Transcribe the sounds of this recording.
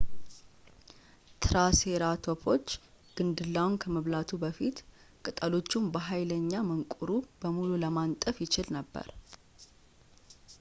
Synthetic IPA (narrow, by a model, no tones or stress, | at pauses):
t̪ʰɨɾaseɾat̪ʰo̞pʰo̞t͡ʃː | ɡ̥ɨnd̪ɨlːawnkʰəməβlat̪ʰubəfit̪ | kʼɨt̪ʼəlo̞t͡ʃːumbəɦajləɲːaməŋkʼuɾubəmululəmant̪ʼəfjɪt͡ʃɪlnəbːə̰ɾ